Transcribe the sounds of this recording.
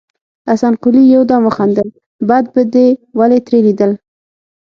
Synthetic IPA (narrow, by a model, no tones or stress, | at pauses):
asɑnqʊlijawd̪ɑmwəxɑnd̪əl | bad̪̚bəd̪ewalet̪ɾelid̪əl